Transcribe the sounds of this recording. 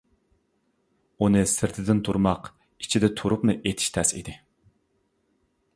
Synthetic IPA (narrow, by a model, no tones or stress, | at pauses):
unɨsɪɾt̪ʰɪd̪ɪnt̪ʰuɾmɑq | i̥t͡ʃʰid̪ɛt̪ʰuɾupnɨʔet̪ʰɪ̥ʃt̪ʰɛsḭd̪ɪ